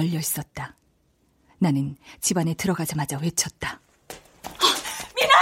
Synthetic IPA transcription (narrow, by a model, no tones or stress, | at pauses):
ʌʎːʌis͈ʌt̚t͈a | nanɯnt͡ɕibane̞tɯɾʌɡad͡ʑamad͡ʑawe̞t͡ɕʰʌt̚t͈a | min